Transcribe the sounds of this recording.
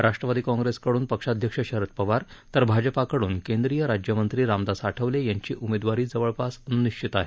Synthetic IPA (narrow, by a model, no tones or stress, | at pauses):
ɾaʂʈɾəʋad̪iːkɔ̃ŋɡɾeskəɽuːnpəkʂad̪ʱjəkʂəɕəɾət̪̚pəʋaɾt̪əɾbʱad͡ʑəpakəɽuːnkend̪ɾijəɾad͡ʑjəmənt̪ɾiːɾamd̪asaʈʰəʋlejaɲt͡ɕiːʔumed̪ʋaɾiːd͡zəʋəɭpasniʂt͡ɕʰit̪aɦe